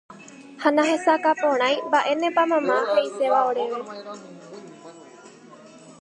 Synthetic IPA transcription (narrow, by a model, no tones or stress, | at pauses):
hanãɦesakapõɽ̃ãj̃baʔenẽpamãmãheiseʋaoɾeʋe